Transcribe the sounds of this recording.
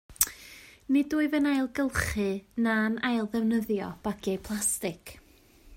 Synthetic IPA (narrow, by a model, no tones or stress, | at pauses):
nɪduːɨvənajlˠɡəlˠχɨnanajlˠðɛvnəðjɔ̰b̥aɡiejpʰlˠastɪkʰ